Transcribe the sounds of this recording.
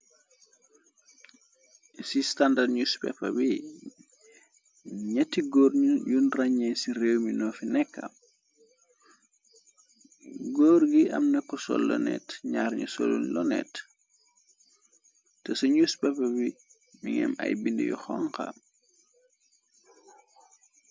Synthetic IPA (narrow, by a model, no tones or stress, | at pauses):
sistandadɲuspɛ̰pːɐbi | ɲɐtːiɡɔrjunraɲɛsirewminɔːfinɛkːɐ̰m | ɡɔːɾɡiʔɐ̰mnɐkːɔsɔ̰lːɔ̰nɛ̰tɲaːɾɲusɔ̰lṵnlɔnɛ̰t | tɛsuɲuspɛpːɐbi | miŋɛ̰mɐ̰jbində̰jɔ̰xɔŋka̰m